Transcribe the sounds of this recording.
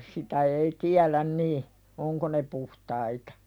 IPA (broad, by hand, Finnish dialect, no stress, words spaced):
sitæ ei tiælæn niː oŋko ne puhtɑitɑ̥